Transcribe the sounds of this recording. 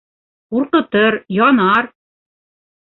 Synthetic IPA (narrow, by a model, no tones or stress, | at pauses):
quɾqɤ̆t̪ɤɾjɒnɑɾ